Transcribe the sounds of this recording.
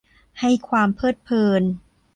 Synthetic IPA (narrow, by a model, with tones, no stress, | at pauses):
ha˥˩jkʰwaː˧mpʰɤː˥˩t̪̚pʰɤː˧n